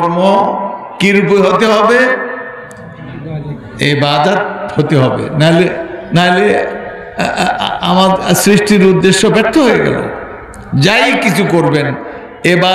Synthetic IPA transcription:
ɾmo | kiɾupoeɦot̪eɦɔbe | ebad̪at̪̚hot̪eɦɔbḛnaɦolenaɦole | a̰maɾsɾiʃʈiɾud̪ːeʃːobɛk̚t̪ʰoɦoeɡɛ̰lo̰ | d͡ʑajkit͡ɕʰukoɾben | eba

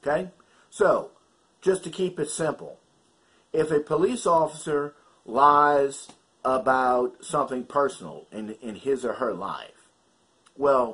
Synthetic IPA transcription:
kʰeɪ | soʊ | d̥ʒ̥ʌstʰɨkʰipɨtsɪ̃mpl̩ˠ | ɪfɨpʰəlisɔfəsə˞ | laɪz | əbaʊt̚sʌ̃mθɪ̃ŋpʰɜ˞sn̩l̩ˠɨ̃nɪ̃nɪzəə˞la̰ɪf | wɛlˠ

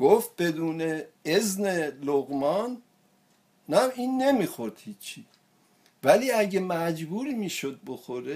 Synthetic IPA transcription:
ɡoft̪̚be̞d̪uːneezne̞loɣmɒn | æmiːnːe̞mixoɾd̪̥hiːt͡ʃʰːi | væliːæɟemæd͡ʒbuːɾimiːʃod̪̚bo̞xo̞ɾe

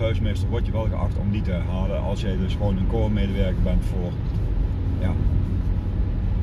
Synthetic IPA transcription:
œɥsmɪstərʋɔɹtjəʋɛlˠɣəʔɑ̰xtɔ̰mditəɛrɦaːləʔɑ̰lˠsjəjdɵsxʋoːnənkoːmeːdəʋɛɹkəbɛntfoːr | jaː

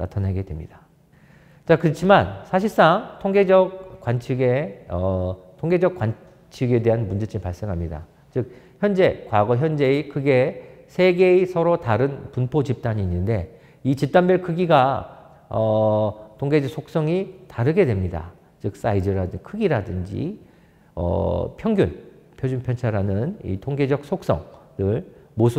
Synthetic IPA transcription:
na̰tʰanɦeɡe̞dwe̞mɲid̥a | t͡ɕakɯɾʌt͡ɕʰimansʰaɕ̬ʰiɭs͈aŋtʰoŋɡe̞d͡ʑʌk̚k͈ːwant͡ɕʰiɡeʌtʰoŋɡe̞d͡ʑʌkwan | t͡ɕʰiɡe̞de̞ɦanmund͡ʑet͡ɕʰipaɭs͈e̞ŋɦamɲida̰ | t͡ɕɯk̚ | çjʌnd͡ʑe̞kwaɡʌçjʌnd͡ʑe̞ikɯɡe̞sʰe̞ɡe̞isʰʌɾotaɾɯnpunpʰot͡ɕip̚t͈aɲiːnːɯnde̞ | it͡ɕip̚t͈anbjʌɭkʰɯɡiɡa | ʌtʰoŋɡe̞d͡ʑʌk̚sʰok̚s͈ʌŋitaɾɯɡe̞dwemɲida̰ | t͡ɕɯk̚s͈aidɯɾadɯkʰɯɡiɾadɯnd͡ʑḭ | ʌ̰pʰjʌŋɡjun | pʰjod͡ʑunpʰjʌnt͡ɕʰaɾanɯnḭtʰoŋɡe̞d͡ʑʌk̚s͈ʰok̚s͈ʌ̰ŋdɯɭmosʰ

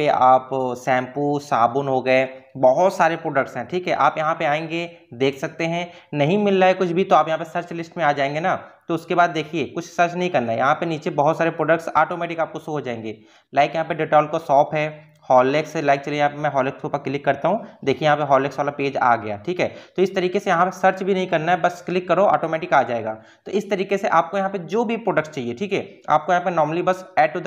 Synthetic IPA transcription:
peʔaːpsɛ̃ːmpuːsaːbʊnɦoɡɐebɐɦʊt̪saːɾepɾoːɖək̚ʈsɦɛ̃ʈʰiːkɦɛʔaːpjɐɦãpeaːẽːŋɡed̪eːkʰsɐk̚t̪eɦɛ̃nɐɦĩmɪlːaekʊt͡ʃʰbʱit̪oaːpjɐɦãpesɐɾt͡ʃlɪsʈmẽaːd͡ʒaːẽːŋɡenat̪oʊskebaːd̪ːeːkʰiekʊt͡ʃʰsɐɾt͡ʃnɐɦĩkɐɾnajɐɦãpeniːt͡ʃebɐɦʊt̪saːɾepɾoːɖək̚ʈsaːʈoːmɛːʈɪkaːp̚kosoɦod͡ʒaːẽːŋɡeː | laːɪkjɐɦãpeɖeʈɔːlkosɔːpʰɦɛː | hɔːleːksɛlaːɪk̚t͡ʃɐlijejɦãpemɛ̃ɦɔːleːkst̪ʰoːpaklɪkːɐɾt̪aɦũd̪eːkʰiejɐɦãpeɦɔːleːksaːlapeːd͡ʒa̰ːɡɐja̰ːʈʰiːkɦɛːt̪oɪst̪ɐɾiːkesejɐɦãpesɐɾt͡ʃbʱinɐɦĩkɐɾnaɛbɐsklɪkːɐɾoʔɔ̰ːʈoːmɛːʈɪkaːd͡ʒaːeːɡa̰ː | t̪oʔɪst̪ɐɾiːkeseʔaːp̚kojɐɦãped͡ʒoːbʱipɾoːɖəkʈst͡ʃaːieʈʰiːkɦɛːa̰ːp̚kojɐɦãpenɔːɾməlibɐsɛːɖo

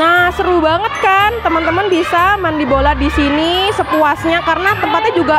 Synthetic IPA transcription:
nasəɾubaŋət̪̚kant̪əmənt̪əmənbisamandiboladisinisət̪uasɲakarənat̪əmpat̪̚ɲad͡ʒuɡa

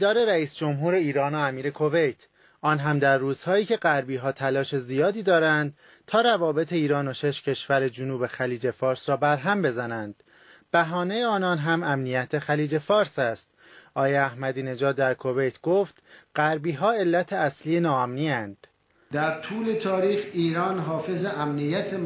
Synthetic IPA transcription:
id̪ɒːɾe̞ɾæiːsd͡ʒo̞mɦuːɾe̞iːɾɒːnoæmiːɾe̞kʰo̞ve̞jt̪ʰ | ɒːnɦæmd̪æɾːuːz̥hɒːiːcʰe̞ɢæɾbiːɦɒːt̪ʰælɒːʃe̞zijɒːd̪iːd̪ɒːɾænd̪̥ | t̪ʰɒːɾævɒːbe̞t̪ʰe̞iːɾɒːnoʃe̞ʃcʰe̞ʃvæɾe̞d͡ʒunuːbe̞xæliːd͡ʒe̞fɒːɾsɾɒːbæɾɦæmbe̞zænænd̪̥ | b̥æɦɒːne̞jeɒːnɒːnɦæmæmnijæt̪ʰe̞xæliːd͡ʒe̞fɒːɾsæst̪̚ | ʔɒːjeæhmæd̪iːne̞d͡ʒɒːd̪̚ːæɾkʰo̞ve̞jt̪ʰɡ̥oːft̪ɢæɾbiːɦɒːe̞lːæt̪ʰe̞æsliːenɒːæmniːænd̪̥ | d̪æɾt̪ʰuːle̞t̪ʰɒːɾiːxiːɾɒːnɦɒːfe̞zeʔæmnijæt̪ʰe

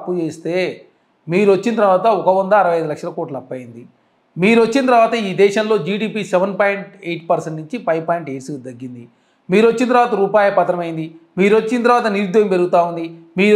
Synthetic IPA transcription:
pːut͡ʃeːst̪e̞ː | miːɾuot͡ʃːint̪ɐɾʋaːt̪ɐɔkɐʋɐnd̪ɐːɾɐʋɐjɐjd̪ulɐkʂɐlɐko̞ːʈlɐɐpːɐjind̪i | miːɾot͡ʃːint̪ɐɾʋaːt̪ɐiːd̪ɛːʃɐmlo̞ːd͡ʒiːɖiːpisɛʋɐnpaːjɳʈejʈpɐɾseɳʈnuɲt͡ʃipɐjʋpaːjɳʈeʈsd̪ɐɡːind̪i | miːɾot͡ʃːint̪ɐɾʋaːt̪ɐɾuːpaːjɐpɐt̪ːɾɐmɐjind̪imiːɾot͡ʃːint̪ɐɾʋaːt̪ɐniɾud̪ʋɐjɐmpe̞ɾuɡut̪aːund̪imiː

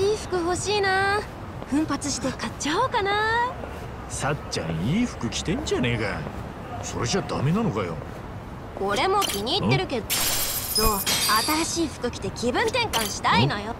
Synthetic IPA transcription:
iːɸɯ̟̥kɯ̟ɦo̞ɕiːna | ɸɯ̟̃mpat͡sɨɕi̥t̪e̞kat͡ɕːaoːkana | sat͡ɕːã̰ɰ̃iːɸɯ̟̥kɯ̟kʲi̥t̪ẽ̞ɲ̟d͡ʑane̞ːɡa | so̞ɾe̞ʑad̪a̰me̞nanokajo̰ | ko̞ɾe̞mo̞kʲiɲ̟iːt̪ːe̞ɾɯ̟ke̞d̪oso̞ːat̪aɾaɕiːɸɯ̟̥kɯ̟kʲi̥t̪e̞kʲibɯ̟̃nt̪ẽ̞ŋkãɰ̃ɕi̥t̪aino̞jo̞

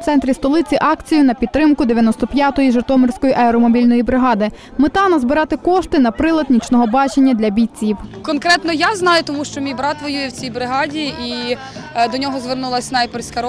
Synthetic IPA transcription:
t̪sɛnt̪ɾʲist̪ɔlˠɪt͡sʲiʔɑkt͡sʲijʊnɐpʲid̪t̪ːɾɪmkʊd̪eʋʲjɐnɔst̪ɔpʲjat̪ɔjiʒɪrt̪ɔmɪrsʲkɔjiʔɐɛɾɔmɔbʲilʲnɔjibɾɪɦɑd̪ɪ | met̪ɑnɐzbɪɾɑt̪ɪkɔʃt̪ɪnɐpɾɪlˠɐd̪nʲit͡ʃnɔɦɔbɑt͡ʃenʲːɐd̪ʲlʲɐbʲijʲt͡sʲiwkɔnkɾɛt̪nɔjaznɑjʊt̪ɔmuʃt͡ʃɔmʲijbɾɑt̪ʋɔjujɛwt͡sʲijbɾɪɦɑdʲii | d̪ɔnʲɔɦɔzʋernulˠɐsʲnɐjpeɾsʲkɐɾɔ

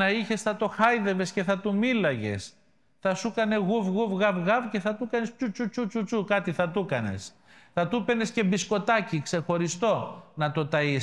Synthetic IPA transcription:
ɐiçe̞sθɐt̪o̞xɐjðe̞ve̞sce̞θɐt̪umilɐʝe̞̰s | θɐsukɐne̞ɣuvɣuvɣɐvɣɐvce̞θɐt̪ukɐnespçut͡sut͡sut͡sut͡sukɐt̪iθɐt̪ukɐne̞̰s | θɐt̪upe̞ne̞sce̞bisko̞t̪ɐcikse̞xo̞ɾist̪o̞nɐt̪o̞t̪ɐis

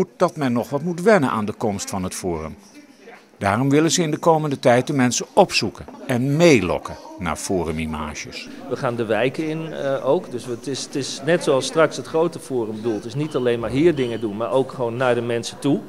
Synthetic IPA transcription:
ut̚d̥ɑtmɛnːɔχʋɑtmutʋɛnənʔa̰ːndəkɔmstfɑnɦətfoːrə̰m | d̥aːrɔmʋɪlənzəɪndəkowməndətɛjt̚dəmɛnsəɔpsukəɛnmejlɔ̰kəna̰ːɹfoːrəmima̰ːʒə̰s | ʋəχaːndəʋɛjkəɪnowkdɵsətɪstɪsnɛtsoɑlˠstrɑksətχrowtəfoːrəmbədulˠtɪsnitalejnmaːɹɦiːɹdɪŋədunmaːɹowkχəʋoːnːaːɹdəmɛnsətu

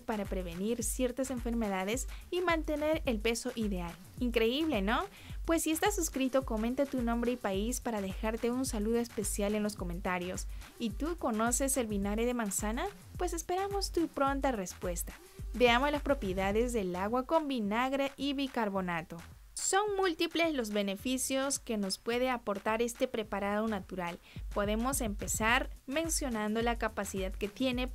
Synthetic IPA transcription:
paɾapɾe̞βe̞niɾsje̞ɾt̪ase̞ɱfe̞ɾme̞ðaðe̞simãnt̪e̞ne̞ɾelpe̞so̞ʔiðe̞al | iŋkɾe̞iβle̞no̞ | pwe̞sːiest̪asuskɾit̪o̞ko̞mẽ̞nt̪at̪unõ̞mbɾe̞ipaispaɾaðe̞xaɾt̪e̞unsaluðo̞espe̞sjale̞nlo̞sko̞mẽnt̪aɾjo̞sit̪uko̞no̞se̞se̞lβinaɾeðe̞mãnsana | pwe̞se̞spe̞ɾamo̞st̪upɾo̞nt̪are̞spwe̞st̪ḁ | be̞amo̞zlaspɾo̞pje̞ðaðe̞zðe̞laɣwako̞mbinaɣɾeʔiβikaɾβo̞nat̪o̞ | so̞nmult̪iple̞zlo̞zβe̞ne̞fisjo̞ske̞no̞spwe̞ðeapo̞ɾt̪aɾe̞st̪e̞pɾe̞paɾaðo̞nat̪uɾal | po̞ðe̞mo̞se̞mpe̞saɾmẽ̞nsjo̞nãnd̪o̞lakapasiðaðke̞t̪je̞ne̞

